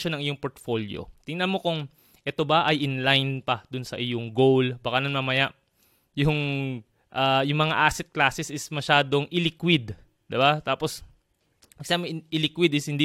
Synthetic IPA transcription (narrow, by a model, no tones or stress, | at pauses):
onɐŋʔɪjoŋpoɹt̪foljo̰t̪ɪŋnɐnmo̞kʊŋ | ʔɛt̪o̞bɐʔɐjʔɪnlajnpɐd̪ʊnsɐʔɪjoŋɡowlbakanɐnmamɐjaʔ | jʊŋ | ʔajʊŋmɐŋaʔasɛt̪̚klaːsɛsɪsmɐʃaːd̪o̞ŋʔɪlɪkwɪd̪ | d̪ɪbat̪aːpo̞s | mɐɡsamɪʔɪlikwɪd̪ɪshɪnd̪i